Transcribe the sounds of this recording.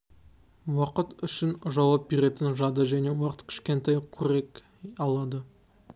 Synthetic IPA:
wɑqət̪ʏʃɪnʒɑwɑp̚be̞ɾe̞t̪ɪnʒɑd̪əʒæne̞wɑqət̪kʲʰɪ̥ʃkʲe̞nt̪ʰɑjqʲʰɵɾe̞k | ɑlˠɑd̪ə

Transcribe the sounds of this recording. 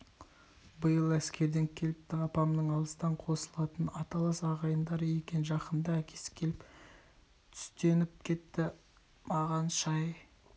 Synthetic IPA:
bəjəlˠæskʲe̞ɾd̪e̞ŋkʲʰe̞lɪpt̪ɪɑpɑmnəɴɑlˠəst̪ɑɴqʰo̞səlˠɑt̪ənɑt̪ɑlˠɑsɑʁɑjənd̪ɑɾəe̞kʲe̞nʒɑqənd̪ɑækʲʰe̞̥sɪ̥kʲʰe̞lɪp | t̪ʰʏ̥st̪e̞nɪp̚kʲʰe̞t̪ːɪ | mɑʁɑnʃɑj

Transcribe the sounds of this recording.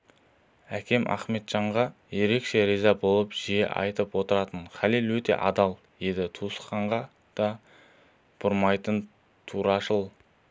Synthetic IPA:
ækʲʰe̞mʔɑ̰χme̞t̪ʒ̥ɑɴʁɑje̞ɾe̞kʃe̞ɾijzɑbo̞lˠəpʒ̥ijḛʔɑ̰jt̪əpwo̞t̪əɾɑt̪ənχɑlilwɵt̪e̞̰ʔɑd̪ɑlˠ | je̞d̪ɪt̪ʰusqɑɴʁɑ | d̪̥ɑ | b̥ʊɾmɑjt̪ən | t̪ʰuɾɑʃəlˠ

